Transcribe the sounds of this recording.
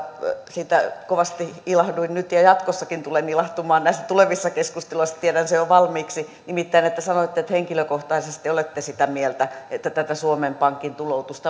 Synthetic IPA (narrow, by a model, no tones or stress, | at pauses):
siːt̪ækoʋɑst̪iilɑhduinnyt̪jɑjɑt̪kosːɑkint̪ulenilɑht̪umɑːnnæˑisːæt̪uleʋisːɑkeskust̪iloisːɑ̥t̪ieɾænsejoʋɑlmiːksi | nimit̪ːæinet̪ːæsɑnoit̪ːeet̪heŋkiløkoht̪ɑisest̪iolet̪ːesit̪æmielt̪æet̪ːæt̪æt̪æsuomempɑŋkint̪ulout̪ust̪ɑ